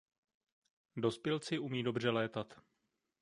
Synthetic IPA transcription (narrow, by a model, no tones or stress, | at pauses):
do̞spjɪlt͡sɪʔumiːdo̞br̝ɛlɛːt̪at̪